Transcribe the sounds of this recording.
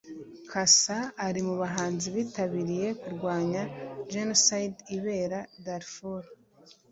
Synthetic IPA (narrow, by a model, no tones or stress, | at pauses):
kʰasaːɾimuβaɦaːnziβiːtaβiɾije̞kuɾɡwaːɲaʒenosajdiβe̞ːɾadaɾfuɾ